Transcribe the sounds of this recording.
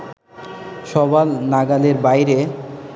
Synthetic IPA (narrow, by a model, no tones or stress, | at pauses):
ʃɔbalnaɡaleɾbajɾe